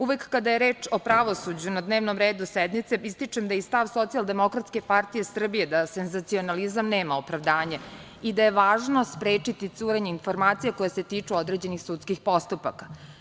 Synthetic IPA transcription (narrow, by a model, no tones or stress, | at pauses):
uʋekːad̪ajeɾe̞ːt͡ʂo̞pɾaʋo̞sud͡ʑunad̪ne̞ːʋnomɾeːd̪usɛd̪nit̪seist̪it͡ʂemd̪aist̪aʋso̞t̪sialˠd̪e̞mo̞kɾat̪ske̞paɾt̪ije̞sr̩bije̞d̪asenzat̪sio̞nalizamne̞ːmaopɾaʋd̪aːɲe | id̪aje̞ʋaːʒno̞spɾeːt͡ʂit̪it̪suːɾeɲeinfo̞ɾmaːt̪sijako̞jese̞t̪iːt͡ʂuo̞d̪ɾe̞ːd͡ʑe̞nixsut̪skixpo̞st̪upa̰kḁ